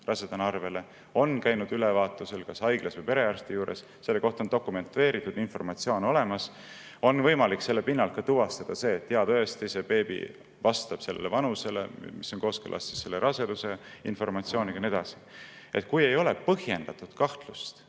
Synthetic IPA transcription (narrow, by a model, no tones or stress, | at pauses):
rɑsed̪̥ɑnɑrve̞le̞ | o̞nkæjnud̪̥ylevɑːt̪ːˑuse̞lkɑsɑjɡ̥lɑsvɯjpe̞ɾe̞ɑrst̪ijuːɾe̞̰s | se̞lːe̞ko̞ht̪o̞nd̪̥o̞kːˑume̞nt̪e̞ːɾit̪ːˑud̪info̞rmɑt̪sio̞ːno̞le̞mɑs | o̞nvɤ̞jmɑlikse̞lːe̞pinːɑlkːɑt̪uvɑst̪ɑd̪̥ɑse̞ːt̪ːeɑt̪ɤest̪isepe̞ːbḭ | vɑst̪ɑb̥se̞lːelevɑnuse̞le̞̰miso̞nko̞ːskø̰lʔɑ̰st̪si̥sse̞lːeɾʔɑse̞d̪̥use̞info̞rmɑt̪sio̞ːnikɑnie̞d̪̥ɑsi̥ | et̪̚kuje̞jo̞le̞pɤhje̞nd̪̥ɑt̪ˑud̪̥kɑht̪lust̪